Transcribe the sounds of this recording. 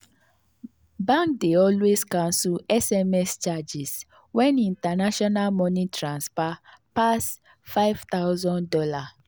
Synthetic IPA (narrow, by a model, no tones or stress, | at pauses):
bãŋk̚deɔlweskãnsuɛsɛmɛst͡ʃad͡ʒis | wɛ̃nĩntanaʃɔnalmɔ̃nitɾãnspapas | faɪvt̪awzɔ̃ndɔla